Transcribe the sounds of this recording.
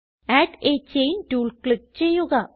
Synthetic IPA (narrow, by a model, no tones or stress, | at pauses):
æʈet͡ɕejnʈuːɭkɭik̚t͡ɕejːuɣɐ